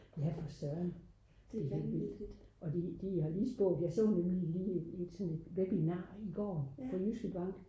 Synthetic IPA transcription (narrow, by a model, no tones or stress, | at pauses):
jæfɒsɶɐn | d̥eheʋid̥ʔɒ̽d̥id̥ihɑ̈liːsb̥ɔ̰̽ːd̥jɑ̈ɪsɔ̰ːnemliliːe̝d̥sɔ̽nle̝d̥ʋeb̥inɑ̈ːiɡ̥ɒ̰ːpʰɒ̽jysɡ̥əb̥ɑ̈ŋ̰ɡ̥